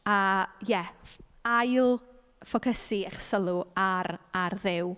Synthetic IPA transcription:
ajɛ | ajlˠ | fɔkʰəsiɛχsəlˠʊaɾarðɪw

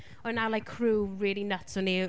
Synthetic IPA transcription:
ɔnalajkʰɹuːɹɪːlˠinətsʊni

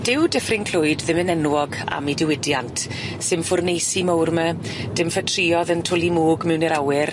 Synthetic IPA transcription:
d̥ɪwdəfrɪnkʰl̥ʊɨdðɪmənɛnwɔɡa̰midɪwɪdjantʰ | sɨmfʊrnejsimawrməd̥ɪmfətʰriːɔðəntʰʊlˠimuːɡmɛwnɛɾawɪr

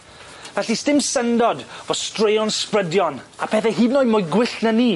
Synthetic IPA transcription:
vɛɬistɪmsəndɔdvɔ̥strejɔnsprədjɔnapʰɛθɛɦiːnɔɨmɔjɡwɪɬnəniː

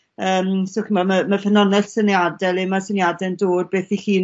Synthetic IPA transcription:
əːmsokəmaməmafənɔnɛɬsənjadɛlˠɛmasənjadɛndoːd̚beːθihiːn

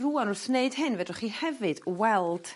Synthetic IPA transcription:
ruːanʊrθneɨd̥ɦɨnvɛdrɔχihɛvɨd̥wɛlˠd̥

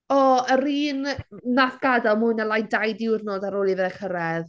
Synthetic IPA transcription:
ɔəɾiːnnaθɡ̥adalˠmʊɨnalˠajndajdɪwrnoːdaɾoːlˠivɛðɛkʰəɾɛð

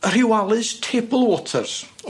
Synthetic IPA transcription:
ər̥ɪwalˠɨstʰebəlˠwɔtʰə̰rs

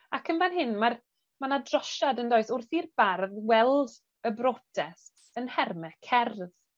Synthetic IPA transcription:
akʰənvanɦɪnmar | manadrɔʃadəndoːɨθʊrθirb̥arðwɛlˠd | əbrɔtʰɛs | ənhɛrmɛkʰɛrð

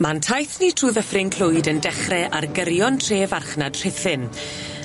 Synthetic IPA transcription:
mantʰajθnitʰruːðəfrɪŋkʰl̥ˠʊjdəndɛχrɛʔarɡəɾjɔntʰreːvarχnad̥r̥ɪθɪn

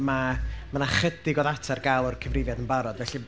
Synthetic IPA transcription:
mamənaχədɪɡɔðatʰarɡalˠɔrkʰəvrɪvjadənbaɾɔdvɛɬi

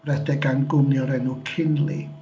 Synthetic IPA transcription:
rɛdɛɡanɡʊnjɔɾɛnukʰɪnli

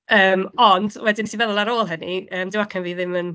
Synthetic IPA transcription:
əːmɔndwɛdɪnsʰivɛðɔlˠaɾoːlˠɦəniəːmdɪwakʰanviːðɪmən

